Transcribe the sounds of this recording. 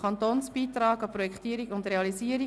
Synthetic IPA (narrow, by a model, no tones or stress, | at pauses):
ɑnt̪oːnsb̥iːt̪ɾɑːɡɑpɾɔjɛkχtiːəɾiɡʊndɾeɑlisiːəɾi